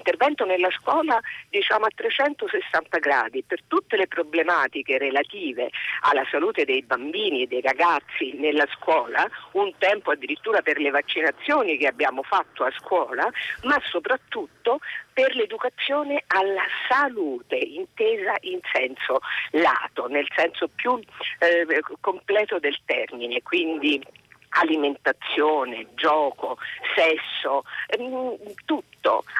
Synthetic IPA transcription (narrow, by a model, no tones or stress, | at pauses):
int̪ervɛnt̪onelːaskwɔːlad̪it͡ʃaːmoat̪ːɾet͡ʃɛnt̪osesːant̪aɡɾa̰ːd̪ipert̪ut̪ːelepɾoblemaːt̪ikeɾelat̪iːvḛa̰lːasaluːt̪ed̪ejbambiːnied̪ːejɾaɡat̪sːinelːaskwɔːlaunt̪ɛmpoad̪ːiɾit̪ːuːɾaperlevat͡ʃːinat̪sːjoːnikeabːjaːmofat̪ːoaskwɔːlamasːopɾat̪ːut̪ːoperled̪ukat̪sːjoːnealːasaluːt̪eint̪eːzaʔinsɛnsola̰ːt̪onelsɛnsopju | kːomplɛːt̪od̪elt̪ɛrminekwind̪ialiment̪at̪sːjoːned͡ʒɔːkosɛsːo | t̪ut̪ːo̰